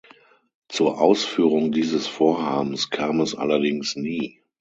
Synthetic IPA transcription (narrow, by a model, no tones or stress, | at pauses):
t͡suːɐʔaʊsfyːʁʊŋdiːzəsfoːɐhaːbn̩skʰaːmɛsʔa̰lɐdɪŋsniː